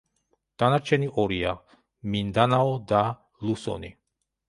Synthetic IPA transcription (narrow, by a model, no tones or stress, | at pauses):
d̪̥anaɾt͡ʃʰɛniʔɔɾia | mind̪anaɔd̪a | lusɔ̰ni